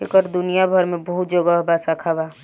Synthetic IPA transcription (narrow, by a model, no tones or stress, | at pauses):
ekəɾd̪unijabʱəɾmẽbəɦut̪̚d͡ʒoɡəɦbasakʰaba